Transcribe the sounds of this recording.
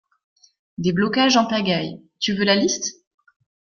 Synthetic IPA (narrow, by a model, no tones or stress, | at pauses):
d̪eblɔkaʒɑ̃paɡaj | t̪yvølalist̪